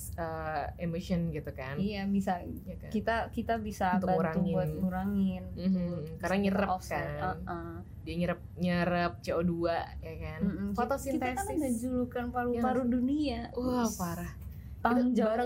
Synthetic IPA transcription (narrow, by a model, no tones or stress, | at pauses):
əemoʃiɔnɡit̪uka̰nijabisa | kit̪akit̪abisabaɾauŋuat̪̚kuɾaŋɪn̩kaɾnaɲəɾəɔkaəʔə | diaɲəɾəp̚ɲəɾəp̚t͡ʃeoduajakanm̩m̩kft̪ɔsiit̪akadad͡ʒuɾukanpaɾupaɾuduniauahpaɾah | t̪ad͡ʒaɾa